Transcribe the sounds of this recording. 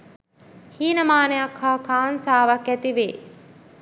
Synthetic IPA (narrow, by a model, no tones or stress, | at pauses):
hiːnɐmaːneɐkhaːkaːnsaːʋɐkæt̪iʋeː